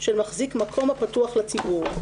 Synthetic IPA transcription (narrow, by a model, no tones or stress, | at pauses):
ʃelmaχzikmakʰo̞mapatuaχlat͡sibuʁ